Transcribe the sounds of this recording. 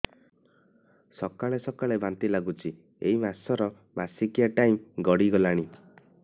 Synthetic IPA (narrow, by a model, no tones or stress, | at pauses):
sɔkaɭesɔkaɭebant̪ilaɡut͡ʃʰi | ḛɦimasɔɾɔ | masikijaʈaĩɡɔɽiɡɔlaɽ̃i